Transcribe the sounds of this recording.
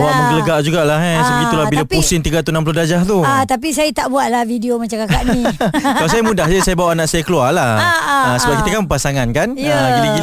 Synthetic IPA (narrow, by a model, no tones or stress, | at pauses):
uaʔmə̃ŋɡələɡaʔd͡ʒuɡaʔlaɦasbəɡit̪ulabilapusɪnt̪iɡat̪unãmp̬lʊhdad͡ʒaht̪uat̪ap̬isajət̪aʔbuat̪̚lahvidiomat͡ʃakakaʔnĩkalasajamũdahd͡ʒəsajabawaʔanãʔsajakəluarlahəsəbap̚kit̪əkambəpasaŋankanəɡilaɡi